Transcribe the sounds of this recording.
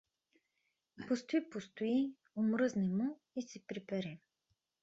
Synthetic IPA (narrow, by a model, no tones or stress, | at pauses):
post̪ʊipost̪ʊi | omɾɤznɛmo | isɛpɾipɛɾɛ